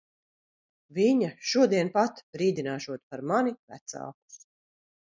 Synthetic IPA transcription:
viɲaʃuɔd̪iɛnpat̪bɾiːd̪inaːʃuɔt̪paɾmanivæ̰t̪sa̰ːku̥s

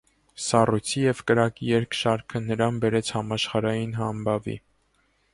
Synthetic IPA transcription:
sɑrujt͡sʰijɛvkəɾɑkijɛɾkʰʃɑɾkʰənəɾɑnbɛɾɛt͡sʰhɑmɑʃχɑɾɑjinɦɑmbɑvḭ

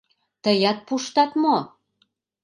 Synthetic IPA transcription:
t̪əjɑt̪̚puʃt̪ɑt̪mo

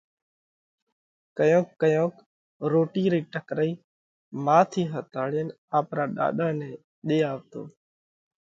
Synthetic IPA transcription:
kəjõːkːəjõːk | ɾoːʈiːɾiːʈəkɾəiː | mãːt̪ʰiːɦət̪aːɭen | aːpɾaːɗa̰ːɗãːnẽː | ɗeːaːʋt̪o̰ː

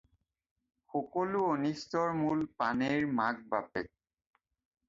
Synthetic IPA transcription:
xɔkɔluonistɔɹmulpaneɹmaɡ̚bapɛ̰t̚

